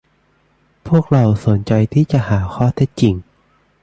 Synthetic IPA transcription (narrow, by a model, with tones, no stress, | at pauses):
pʰu˥˩ək̚ɾa˧wso˩˦nt͡ɕa˧jt̪ʰiː˥˩t͡ɕa˨˩ʔhaː˩˦xʰɔː˥˩t̪ʰe˦˥t̪̚t͡ɕi˧ŋ